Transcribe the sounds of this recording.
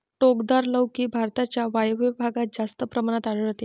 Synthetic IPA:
ʈokd̪aɾləwkiːbʱaɾt̪at͡ɕjaʋajʋibʱaɡat̪̚d͡zast̪əpɾəmaɽ̃at̪aɽəɭt̪e

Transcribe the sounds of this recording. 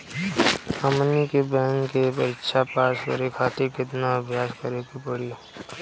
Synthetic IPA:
əmnikebɛːŋkepəɾɪkʃapaːskə̰ɾekʰaːt̪ekɪt̪naɐbʱjaːskəɾekipəɽio

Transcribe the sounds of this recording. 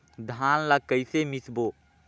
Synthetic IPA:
d̪ʱaːnlakəɪsemisboː

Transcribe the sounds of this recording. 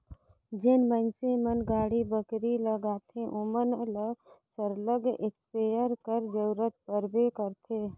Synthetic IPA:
d͡ʒenmənsemənɡaːɽibəkɾiləɡaːt̪ʰẽʔomənləsəɾləɡekspejəɾkəɾd͡ʒəɾət̪̚pəɾbekəɾt̪ʰe

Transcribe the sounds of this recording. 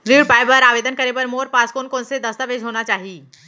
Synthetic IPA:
ɾiːɖpaːjbəɾaːʋeːd̪ənkɐɾepəɾmoːɾpaskoːnkoːnsed̪ɐst̪aʋeːd͡ʒɦoːnat͡ʃaːɦiː

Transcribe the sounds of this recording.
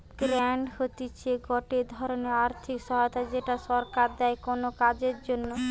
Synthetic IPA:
ɡ̥ɾɛɳɖhot̪it͡ɕʰeɡɔʈed̪ʱɔɾoneaɾt̪ʰikʃɔɦaot̪ad͡ʑeʈaʃɔɾkaɾd̪ɛekonokad͡ʑeɾd͡ʑonːo

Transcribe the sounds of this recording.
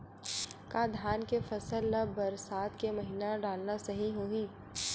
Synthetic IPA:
kaːd̪ʱjaːnkefɐsəlːəbɐɾsaːt̪kemɐɦinaɖaːlnasɐɦĩɦuoĩː

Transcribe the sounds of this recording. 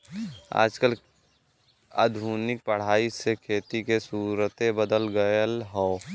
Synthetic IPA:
a̰ːd͡ʒkəl | a̰ːd̪ʱuːnɪk̚pəɽ̤aːisekʰeːt̪ikesuːɾət̪ẽbəd̪əlɡəjəlɦɔː

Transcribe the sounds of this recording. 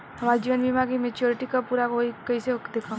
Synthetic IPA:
ɦɐmaːɾid͡ʒiːʋənbimaɡimet͡ʃjoːɾɪʈikapuːɾakoikɐisekd̪eːkʰã

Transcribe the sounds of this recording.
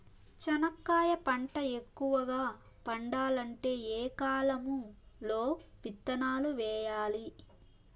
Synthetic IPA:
t͡ʃɐnɐkːaːjɐpɐɳʈɐe̞kːuʋɐɡaː | pɐɳɖaːlɐɳʈe̞ːɛːkaːlɐmulo̞ːʋit̪ːɐnaːluʋɛːjaːli

